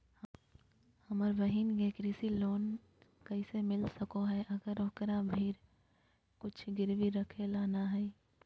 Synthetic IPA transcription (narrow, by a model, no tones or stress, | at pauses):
h | hɐməɾʋəɦɪnɡeːkɾiːsiloːn | kɐisemɪlsɐkoɦɛʔɐɡəɾokɾabʱiːɾ | kʊt͡ʃʰɡɪɾʋiɾɐkʰelaːnaɦɛː